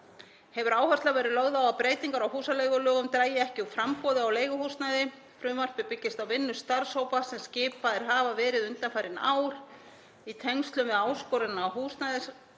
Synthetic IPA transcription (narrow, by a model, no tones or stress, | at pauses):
hɛvʏɾaːwhœst̪avɛːɾɪðlœɣðaaapɾeːjt̪iŋkaɾawɦuːsaleːjɣʏlœːɣʏmt̪ɾaːjɪɛhcɪufɾampɔːðɪawleːjɣʏhust̪najðɪ | fɾʏːmar̥pɪpɪcːɪst̪awvɪnːʏst̪aɾ̥showpasɛmscɪːpaðɪɾ̥ɦaːvavɛːɾɪðʏnt̪anfaːjɾɪna̰ːwɾ̥ | it̪ʰɛŋst̪lʏmvɛðaːwskɔɾɪnaːwɦuːst̪najðɪs